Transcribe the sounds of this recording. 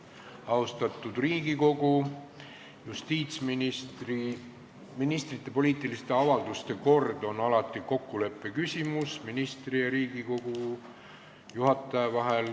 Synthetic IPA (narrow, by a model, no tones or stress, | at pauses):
ɑust̪ɑt̪ːˑud̪̥riːɡ̥iko̞ɡ̥u | just̪iːt̪sminist̪ri | minist̪rit̪ˑːe̞po̞lʲiːt̪ːˑilist̪e̞ɑvɑld̪̥ust̪e̞ko̞rd̪̥o̞nɑlɑt̪ːˑiko̞kːule̞pːˑe̞kysʲimusminist̪rijɑɾiːɡiko̞ɡ̥u | juɦɑt̪ːˑɑjevɑɦe̞l